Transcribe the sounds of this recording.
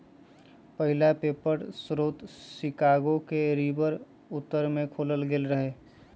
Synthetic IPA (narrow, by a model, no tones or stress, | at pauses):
pəɦɪlapeːpəɾsɾoːt̪sɪkaːɡokeɾibəɾ | ʊt̪ːəɾmẽkʰoːləlɡeːlɾəɦe